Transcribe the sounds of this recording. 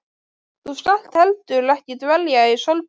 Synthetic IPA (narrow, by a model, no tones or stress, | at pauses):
θuskan̥t̪hɛlt̪ʏɾlɛhcɪt̪vɛljaisœlp